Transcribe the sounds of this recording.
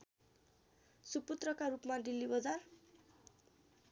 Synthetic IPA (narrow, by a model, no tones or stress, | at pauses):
suput̪rʌkaɾupmaɖilːibʌd͡zar